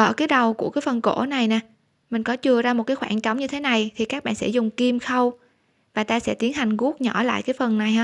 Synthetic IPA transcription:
ʔə̰ː˧˩kaː˨˦jɗə˨˩wku˧˩əkaː˨˦jfə˨˩nko̰˧˥na˨˩jnaː˨˩ | mï˨˩ŋ̟kɔ˨˦t͡ɕɨ˨˩əzaː˧mo˨˩t̚kaː˨˦jxwaː˧˩nt͡ɕa˨˦wŋ͡mɲɨ˧t̪ʰe˨˦na˨˩jt̪ʰi˨˩kaː˦˥k̚ɓa̰ː˧˨nsɛ̰˧˥zʊ˨˩ŋ͡mki˧mxə˧w | vaː˨˩t̪aː˧sɛ̰˧˥t̪i˨˦ənɦa˨˩jŋ̟ɣu˦˥ək̚ɲɔ˧˩la̰ː˧˨jkaː˨˦jfə˨˩nːa˨˩jhaː˨˦

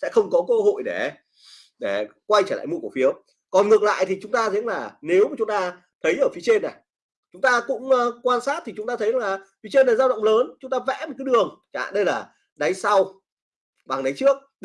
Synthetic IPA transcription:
sɛ̰˧˥xə˧wŋ͡mkɔ˨˦kə˧ho̰˧˨jɗe˧˩ | ɗe˧˩kwa˧jt͡ɕəː˧˩la̰ː˧˨jmu˧ku˧˩fi˨˦əw | kɔ˨˩nŋɨ˨˩ək̚la̰ː˧˨jt̪ʰi˨˩t͡ɕʊ˨˦ŋ͡mt̪aː˧zə̰˧˥əŋlaː˨˩ne˨˦wma˨˩t͡ɕʊ˨˦ŋ͡mt̪aː˧ | t̪ʰə˨˦jʔəː˧˩fi˨˦t͡ɕe˧nːa˨˩j | t͡ɕʊ˨˦ŋ͡mt̪aː˧kʊ̰˧˥ŋ͡mkwaː˧nsaː˦˥t̚t̪ʰi˨˩t͡ɕʊ˨˦ŋ͡mt̪aː˧t̪ʰə˨˦jllaː˨˩fi˨˦t͡ɕe˧nlaː˨˩zaː˧wɗə̰˧˨wŋ͡mləː˨˦nt͡ɕʊ˨˦ŋ͡mt̪aː˧vɛ̰˧˥mo˨˩kaː˨˦jɗɨ˨˩əŋt͡ɕaː˨˧˨ɗə˧jlaː˨˩ | ɗa˨˦jsa˧w | ɓaː˨˩ŋɗa˨˦jt͡ɕɨ˦˥ək̚

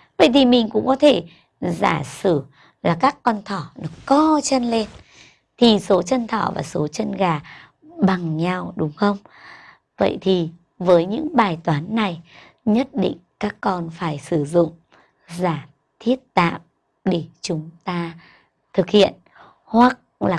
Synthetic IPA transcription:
və̰˧˨jt̪ʰi˨˩mï˨˩ŋ̟kʊ̰˧˥ŋ͡mkɔ˨˦t̪ʰe˧˩ | za̰ː˧˩sɨ˧˩ | laː˨˩kaː˦˥kːɔ˧nt̪ʰɔ˧˩ɗɨ˨˩əkːɔ˧t͡ɕə˧nle˧n | t̪ʰi˨˩so˨˦t͡ɕə˧nt̪ʰɔ˧˩va̰ː˨˩so˨˦t͡ɕə˧nɣaː˨˩ | ɓa˨˩ŋɲa˧wɗʊ˨˦ŋ͡mxə˧wŋ͡m | və̰˧˨jt̪ʰi˨˩ | vəː˨˦jɲɨ̰˧˥ŋɓaː˨˩jt̪waː˨˦nːa˨˩j | ɲə˦˥t̚ɗḭ˧˨ŋ̟kaː˦˥kːɔ˧nfaː˧˩jsɨ˧˩zʊ̰˧˨ŋ͡m | zaː˧˩ | t̪ʰi˦˥ət̚t̪a̰ː˧˨m | ɗe˧˩t͡ɕʊ˨˦ŋ͡mt̪aː˧ | t̪ʰɨ˨˩k̚hḭ˧˨ən | hwa˨˥k̚laː˨˩

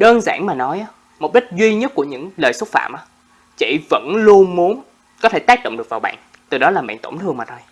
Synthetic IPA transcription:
ɗəː˧nzaː˧˩nmaː˨˩nɔ˨˦jʔaː˨˦ | mo˨˩k͡p̚ɗi˦˥k̟̚zwi˧ɲə˦˥t̚ku˧˩əɲɨ̰˧˥ŋləː˨˩jswə˦˥t̚fa̰ː˧˨mʔaː˨˦ | t͡ɕḭ˧˨və̰˧˥nlu˧ənmu˨˦ən | kɔ˨˦t̪ʰe˧˩t̪aː˦˥k̚ɗo̰˧˨wŋ͡mɗɨ˨˩əkvaː˨˩wɓa̰ː˧˨n | t̪ɨ˨˩ɗɔ˨˦laː˨˩ɓa̰ː˧˨nt̪o̰˧˩ŋ͡mt̪ʰɨ˧əŋmaː˨˩t̪ʰo˧j

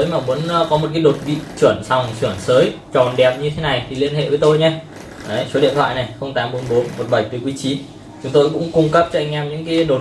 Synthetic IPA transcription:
əː˨˦jmaː˨˩mu˨˧˥nː˧kɔ˨˦mo˨˩t̚kaː˨˦ɗo˨˩t̚vḭ˧˨t͡ɕwə˧˩ənsa˨˩wŋ͡mswi˧˩ənsəː˨˦j | t͡ɕɔ˨˩nɗɛ˨˩p̚ɲɨ˧t̪ʰe˨˦na˨˩jt̪ʰi˨˩li˧ənɦḛ˧˨vəː˨˦t̪o˧jɲa˧ | ʔə˨˦jso˨˦ɗḭ˧ənt̪wa̰˧˨jna˨˩jxə˧wŋ͡mt̪aː˨˦mɓo˨˦nɓo˨˦nmo˨˩t̚ɓə˧˩jt̪ɨ˨˩kwi˨˦t͡ɕi˨˦ | t͡ɕʊ˨˦ŋ͡mt̪o˧jkʊ̰˧˥ŋ͡mkʊ˧ŋ͡mkə˦˥p̚t͡ɕɔ˧ʔa˧jŋ̟ʔɛ˧mɲɨ̰˧˥ŋkaː˨˦jɗo˨˩

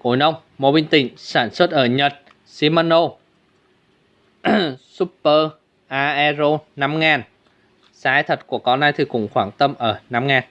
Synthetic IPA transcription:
ko˧˩jnə˧wŋ͡m | mo˨˦ɓi˧nt̪ï˧˩ŋ̟saː˧˩nswə˦˥t̚ʔəː˧˩ɲə˨˩t̚ | si˧˦maː˧no˧ | su˦˥ppəː˧ | ʔaː˧ʔɛ˧zo˧na˧˥mŋaː˨˩n | saː˨˦jt̪ʰə˨˩t̚ku˧˩əkɔ˨˦na˧jt̪ʰi˨˩kʊ̰˧˩ŋ͡mxwaː˧˩ŋt̪ə˧mʔəː˧˩na˧mŋaː˨˩n

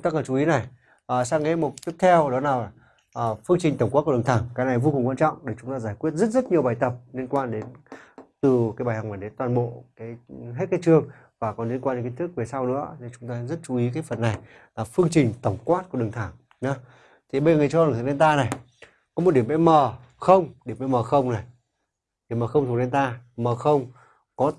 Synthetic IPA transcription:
ŋ͡mt̪aː˧kə˨˩t͡ɕu˨˩i˨˦na˨˩j | ʔəː˨˩saː˧ŋːḛ˧˦mo˨˩t̚t̪i˦˥k̚t̪ʰɛ˧wɗɔ˨˦naː˨˩wa˨˩˨ | fɨ˧əŋt͡ɕï˨˩ŋ̟t̪ə˧˩ŋ͡mka˦˥t̚ku˧˩˨t̪ʰaː˧˩ŋkaː˨˦jna˨˩jvo˧ku˨˩ŋ͡mŋkwaː˧nt͡ɕɔ̰˧˨wŋ͡mɗe˧˩t͡ɕʊ˨˦ŋ͡mt̪aː˧zaː˧˩jkwi˦˥t̚zə˦˥t̚zə˦˥t̚ɲi˨˩əwɓaː˨˩jt̪ə˨˩p̚li˧ənkwaː˧nɗe˨˦nt̪ɨ˨˩kaː˨˦jɓaː˨˩jha˨˩maː˨˩ɗe˨˦nt̪waː˨˩nɓo̰˧˨kaː˨˦jɦe˦˥t̚kaː˨˦jt͡ɕɨ˧əŋ | vaː˨˩kɔ˨˩nli˧ənkwaː˧ne˧˦ŋkːi˧˦nt̪ɨ˦˥k̚ve˨˩sa˧wnɨ̰˧˥ən˧nt͡ɕʊ˨˦ŋ͡mt̪aː˧˦zə˦˥t̚t͡ɕu˨˧˦i˨˦k̬aː˨˦jfə˨˩nːa˨˩j | laː˨˩fɨ˧əŋt͡ɕï˨˩ŋ̟t̪ə˧˩wŋ͡mkwaː˦˥t̚k̚əɗɨ˨˩nt̪ʰaː˧˩ŋ | nɔ˨˦ | t̪ʰi˨˩ɓə˧zŋː˨˩t͡ɕɔ˧˨˩t̪ʰɗe˧nt̪aː˧na˨˩j | kɔ˨˦mo˨˩t̚ɗi˧˩əmɓɛ̰˧˥məː˨˩ | xə˧wŋ͡mɗi˧˩əmɛ̰˧˥məː˨˩xə˧wŋ͡mna˨˩j | ɗi˧˩əməː˨˩xə˧wŋ͡mt̪ʰu˨˧˩ɗe˧nt̪aː˧məː˨˩xə˧wŋ͡m | kɔ˨˦

